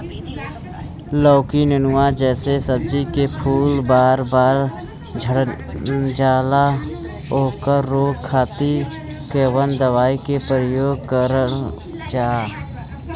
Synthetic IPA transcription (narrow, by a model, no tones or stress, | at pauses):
lɔːkinɪnʊwad͡ʒɛːsesəb̚d͡ʒikepʰuːlbaːɾbaːɾ | d͡ʒʱəɽ | d͡ʒaːla | ɦoːkəɾːoːɡkʰaːt̪i | keːwənd̪əwaːikepəɾəjoːɡkəɾə | d͡ʒaː